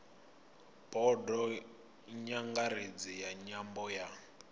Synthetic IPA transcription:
bɔdɔ | ɲaŋɡaɾed͡zijaɲambɔja

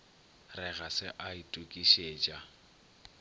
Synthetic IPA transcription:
rɛɣasɪʔaitʼukʼiʃeːt͡ʃʼa

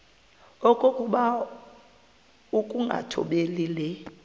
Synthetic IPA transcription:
ɔkʼokʼuɓa | ukʼuŋɡʱa̰tʰɔ̰ɓelilɛ

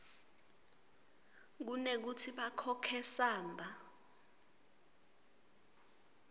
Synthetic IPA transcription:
k̬unek̬utʰiɓakʰɔkʰɛsaːmbʱa

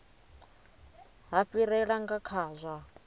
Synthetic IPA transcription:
ɦaɸiɾɛɺaŋɡakʰaːzʷa

